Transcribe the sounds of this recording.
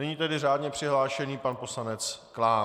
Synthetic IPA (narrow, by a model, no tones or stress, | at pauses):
ɛɲiːt̪ɛdɪraːdɲɛpr̥ɪɦlaːʃɛniːpanpo̞slanɛt͡sklaː